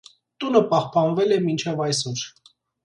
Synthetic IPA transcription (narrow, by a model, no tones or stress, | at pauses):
t̪unəpɑhpɑnvɛlɛmint͡ʃʰɛvɑjs̬ɔɾ